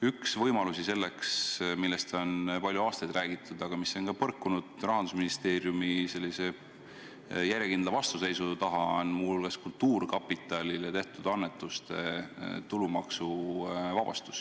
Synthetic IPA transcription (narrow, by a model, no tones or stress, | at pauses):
yksvɤjmɑlusise̞lːe̞ksmilːest̪o̞npɑlʲjuɑːst̪ɑjd̪ræːɡ̥it̪ːˑud̪̥ɑɡ̥ɑmisːo̞nkɑpɤrkːunud̪̥rɑɦɑnd̪usminist̪e̞ːɾjumise̞lːise̞ | jæɾjekind̪lɑvɑst̪use̞jsut̪ɑɦɑonmuolɡ̥eskult̪ːuːrkɑpːit̪ːˑɑlilet̪e̞ht̪ud̪̥ɑnːet̪ːˑust̪e̞̰t̪ulumɑksuvɑb̥ɑ̰st̪u̥s